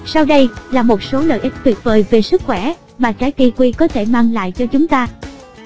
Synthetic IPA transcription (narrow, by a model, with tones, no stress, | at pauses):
sa˧wɗə˧jlaː˨˩mo˨˩t̚so˨˦lə̰ː˧˨jʔi˦˥k̟̚t̪ʰwi˨˩t̚vəː˨˩jve˨˩sɨ˦˥k̚xwɛ˧˩ | maː˨˩kaː˨˦jki˧kwi˧kɔ˨˦t̪ʰe˧˩maː˧ŋla̰ː˧˨jt͡ɕɔ˧t͡ɕʊ˨˦ŋ͡mt̪aː˧